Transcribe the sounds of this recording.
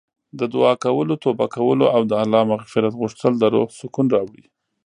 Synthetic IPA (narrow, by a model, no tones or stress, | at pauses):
d̪əd̪ʊɑkawəlot̪obakawəloawd̪əalːɑmaɣfɪɾat̪ɣʊʂt̪əld̪əɾosʊkunɾɑwɽi